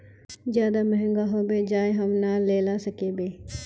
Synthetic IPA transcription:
d͡ʒjaːd̪aməɦɪ̃ŋɡaɦoːbeːd͡ʒaːeɦəmnaːleːlaːsəkeːbeː

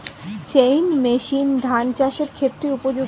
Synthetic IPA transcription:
t͡ɕejnmeʃind̪ʱant͡ɕaʃeɾkʰet̪ːɾeupod͡ʑo

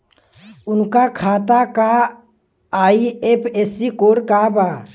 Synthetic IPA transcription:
ʊnkakʰaːt̪aka | aːiepʰeːsikoːɾkabaː

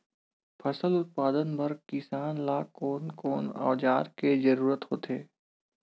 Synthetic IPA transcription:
pʰɐsəlʊt̪̚paːd̪ənbɐɾkɪsaːnlaːkoːnkoːna̰ːd͡ʒaːɾked͡ʒɐɾuːɾət̪ɦoːt̪eː

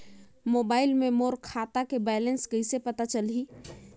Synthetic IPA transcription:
mobailmemoɾkʰat̪akebɛlenskəɪsepət̪at͡ʃəlɦi

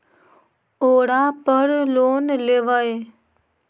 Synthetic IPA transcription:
oːɽãpəɾloːnleːʋəe

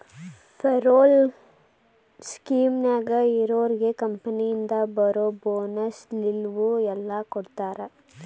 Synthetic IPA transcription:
pʰeɾoːl | skiːmnaːɡɐiɾoːɾiɡekɐmpɐnijind̪ɐbɐɾoboːnɐslilʋuɛlːɐkoɽt̪aːɾe

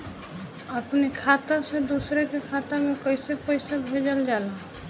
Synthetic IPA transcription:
əpnekʰat̪ased̪usɾekekʰat̪amekəɪsepəɪsabʱed͡ʒəld͡ʒala

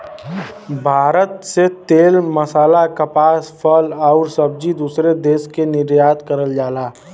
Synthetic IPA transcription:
bʱaːɾət̪set̪eːlməsaːlakəpaːspʰəlɔːɾsəb̚d͡ʒid̪uːsɾed̪eːskenɪɾjaːt̪kəɾəld͡ʒaːlaː

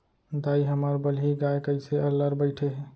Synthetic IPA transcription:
d̪aiɦəməɾbəlɦiɡaekəɪseəlːəɾbəɪʈʰeɦ

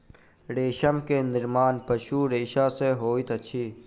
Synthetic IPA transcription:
ɾeːʃəmkenɪɾmaːnpəʃuːɾeːʃaːseɦoːit̪ɐt͡ʃʰiː

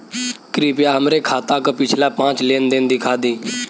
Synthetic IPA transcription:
kɾiːpjaːɦəmɾeːkʰaːt̪ãːkəpɪt͡ʃʰlaːpãːt͡ʃlẽːnd̪ẽːnd̪iːkʰaːd̪iː

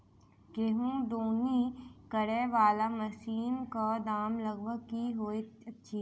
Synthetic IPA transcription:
keːɦũɖ̪oːnikəɽeʋaːlamɐsiːnkad̪aːmlɐɡʋəkiɦoːeɐtːʃʰiː

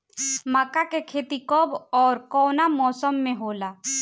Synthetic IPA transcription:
maːkakekʰeːt̪ikɔbɔːɾkɔːnamɔːsəmːẽɦoːla

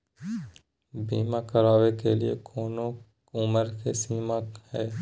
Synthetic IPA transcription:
biːmakəɾaːʋekeliḛkʰoːnõ | ʊməɾkesiːmahɛː

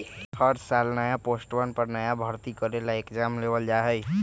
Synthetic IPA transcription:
həɾsalnajaposʈʋənpəɾnəjabʱəɾt̪ikəɾelaekd͡ʒamleʋəld͡ʒaɦɛj

